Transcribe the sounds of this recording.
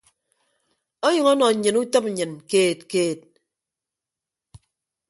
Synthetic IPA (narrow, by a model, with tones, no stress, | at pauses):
o˦jʌ˨ŋɔ˦nɔ˨ɲ̩˨ɲɨ˨nu˦tɔ˦p̩̚˨ɲɨ˨nkeː˦˨t̚keː˦˨t̚